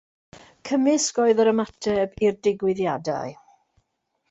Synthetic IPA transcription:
kʰəmɪsɡ̥ɔɨðəɾəmatʰɛbirdɪɡwɪðjada̰ɨ

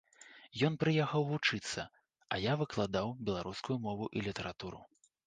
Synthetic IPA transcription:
jɔn̪pɾɨjaxɐwvut͡ʂɨt̪sːɐ | ɐjavɨklˠad̪awbʲɛlˠaɾuskujumɔvuʔilʲit̪ɐɾat̪uɾṵ

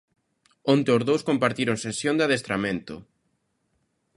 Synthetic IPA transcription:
õnt̪eozðowskompaɾt̪iɾoŋsensjõnd̪aðest̪ɾamẽnt̪ʊ̰

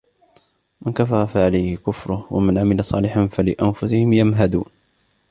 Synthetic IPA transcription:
mankafɑɾˤɑfaʕalajhɪkʊfɾˤʊhwa̰manʕamɪlasˤɑ̰ːlɪħanfalɪʔanfʊsɪhɪmjamɦad̪ṵːn

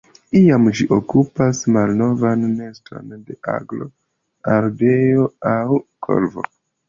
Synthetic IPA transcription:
iamd͡ʒiʔokupasmalno̞vanːe̞stɾo̞̰nde̞ʔa̰ɡlo̞ | alde̞joawkʰo̞̰lvo̞̰

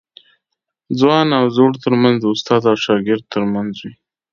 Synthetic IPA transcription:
d͡zwɑnawzoɽt̪əɾmanzd̪əʊst̪ɑd̪awʃɑɡɪɾd̪̚t̪əɾmanzwi

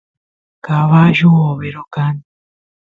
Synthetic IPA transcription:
kaβaʒuoβeɾokan

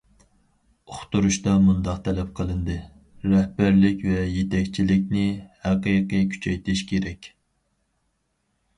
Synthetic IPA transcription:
oχt̪uɾuʃt̪ɑmund̪ɑqt̪ʰɛlɛp̚qʰəlˠɨnd̪ɨ | ɾɛhbæɾlɪkʲvɛjet̪ʰɛkʲt͡ʃʰilɪk̚ʲnɪhæqijqijkʲʰy̥t͡ʃʰɛjt̪ʰɪʃkʲʰeɾɛkʲ

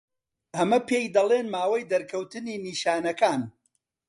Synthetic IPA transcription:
ʔɐmɐpʰejd̪ɐlˠeːnmaːwɐjd̪ɐɾkʰɐwt̪ɨniːniːʃaːnɐkaːn

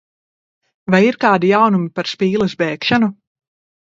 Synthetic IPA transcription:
vajiɾkaːd̪ijawnumipaɾspiːlˠɐsbɛːkʃanu

